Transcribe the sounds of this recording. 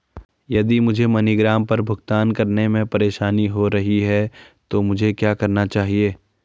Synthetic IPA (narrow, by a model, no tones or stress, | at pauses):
jɐd̪imʊd͡ʒʱemɐniɡɾaːmpɐɾbʱʊɡt̪aːnkɐɾnemẽpɐɾeːʃaːniɦoɾɐɦiɦɛt̪omʊd͡ʒʱekjaːkɐɾnat͡ʃaːɦieː